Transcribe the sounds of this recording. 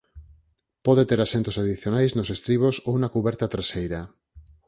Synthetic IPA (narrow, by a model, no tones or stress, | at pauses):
pɔðet̪eɾasent̪osaðiθjonajznosest̪ɾiβ̞osownakuβɛɾt̪at̪ɾasejɾa